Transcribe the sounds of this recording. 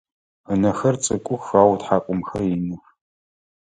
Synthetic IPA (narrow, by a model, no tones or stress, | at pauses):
ənɐxɐrt͡sʼɨkʷʼʊxaːwtħaːkʷʼʊmxɐrjinɨx